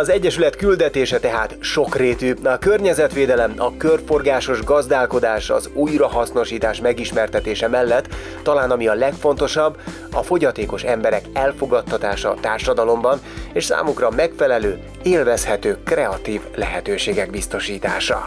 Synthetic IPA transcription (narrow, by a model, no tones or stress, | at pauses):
ɒzɛɟːɛʃylɛt̪kyld̪ɛt̪eːʃɛt̪ɛɦaːt̪ʃo̞kreːt̪yɒkø̞rɲɛzɛt̪ʋeːd̪ɛlɛmɒkørfo̞rɡaːʃo̞ʒɡɒzd̪aːlko̞d̪aːʃɒ̰zuːjrɒɦɒsno̞ʃiːt̪aːʃmɛɡiʃmɛrt̪ɛt̪eːʃɛmɛlːɛt̪ː | ɒlaːnɒmiɒlɛkfo̞nt̪o̞ʃɒbː | ɒfo̞ɟɒt̪eːko̞ʃɛmbɛɾɛkɛlfo̞ɡɒt̪ːɒt̪aːʃɒt̪aːrʃɒd̪ɒlo̞mbɒneːʃsa̰ːmukrɒmɛkfɛlɛløː | eːlvɛshɛt̪øːkrɛɒt̪iːvlɛ̰ɦɛt̪øːʃeːɡɛɡ̚bist̪o̞ʃiːt̪a̰ːʃɒ̰